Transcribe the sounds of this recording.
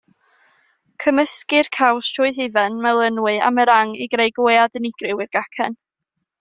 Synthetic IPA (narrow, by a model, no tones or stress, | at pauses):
kʰəməskɨrkʰawstʰrʊjɦɨvɛnmɛlˠənwɨa̰məɾaŋiɡrejɡojadənɪɡ̥rɪwɪrɡ̥akʰɛ̰n